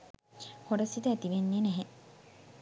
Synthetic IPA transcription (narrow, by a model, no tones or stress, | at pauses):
hoɾɐsit̪ɐːt̪iʋenːiːneɦe